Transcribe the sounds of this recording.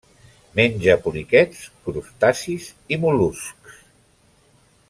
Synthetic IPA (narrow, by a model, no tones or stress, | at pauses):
menʲd͡ʒəpulikɛtskɾust̪asizimulusks